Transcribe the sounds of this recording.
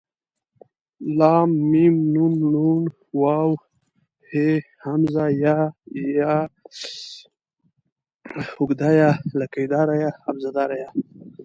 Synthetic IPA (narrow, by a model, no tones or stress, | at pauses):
lɑmːimnunnun | waw | hehamzajaja | ʊɡd̪ajalakajd̪ɑɾajaːbzad̪ɑɾaja